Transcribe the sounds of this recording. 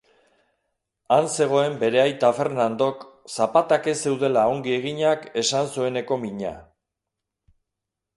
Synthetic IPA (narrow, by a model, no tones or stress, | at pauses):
anse̞ɣ̞o̞e̞mbe̞ɾe̞ajt̪afe̞ɾnand̪o̞k | sapat̪ake̞se̞wð̞e̞lao̞ŋɡie̞ɣ̞iɲake̞sansue̞ne̞ko̞miɲa̰